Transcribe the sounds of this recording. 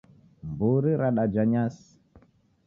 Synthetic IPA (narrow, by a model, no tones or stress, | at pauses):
mbuɾiɾaɗad͡ʒaɲas